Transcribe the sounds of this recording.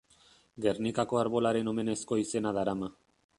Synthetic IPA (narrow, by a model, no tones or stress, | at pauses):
ɡe̞rnikako̞aɾβo̞laɾe̞no̞me̞ne̞sko̞ise̞naðaɾama